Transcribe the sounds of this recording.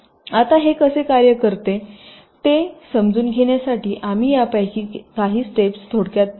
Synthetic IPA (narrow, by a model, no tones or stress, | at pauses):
at̪aɦekəsekaɾjəkəɾt̪e | t̪esəmd͡zuːnɡʱeɳjasaʈiːʔamiːjapajkiːkaɦiːsʈepst̪ʰoɽkjat̪̚